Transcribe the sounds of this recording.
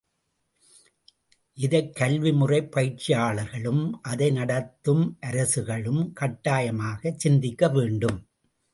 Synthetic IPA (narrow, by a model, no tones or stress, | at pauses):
ʔɪðɐɪkːɐlʋimɯrɐɪpːɐjɪʈt͡ʃːɪjaːɭɐɾɣɐɭɯmʔɐðɐɪnɐɽɐt̪ːɯmʔɐɾɐsɯɣɐɭɯmkɐʈːaːjɐmaːɣɐt͡ʃsɪnd̪ɪkːɐʋeːɳɖɯm